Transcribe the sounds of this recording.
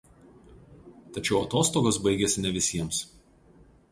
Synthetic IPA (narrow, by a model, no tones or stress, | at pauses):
t̪ɐt͡ʃʲɛʊɐt̪oːst̪oːɡosbɐɪɡʲɛsʲɪnʲɛʋʲɪsʲiɛms